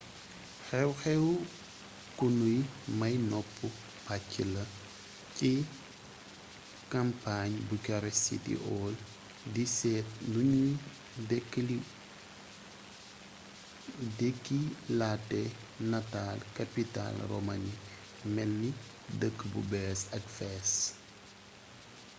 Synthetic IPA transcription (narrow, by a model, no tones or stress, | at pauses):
xɛwxɛw | kunujmɐjnɔpːu | pacːilɐ | ci | kɐmpaɲbukɔɾɛsḭtḭʔɔːl | disɛːtnuɲu | dɛkːli | dekːilatːɛ | natalkapita̰lro̰mani | mɛlni | dəkːbṵbɛːsɐkfɛs